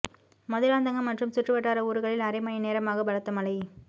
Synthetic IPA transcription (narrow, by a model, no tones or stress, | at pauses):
mɐðɯɾaːnd̪ɐŋɡɐmɐʈrɯmsɪʈrɯʋɐʈːaːɾɐuːɾɯɣɐɭɪlɐɾɪmɐjɐneːɾɐmaːɣɐʋɐɻɐt̪ːɐmɐlɐɪ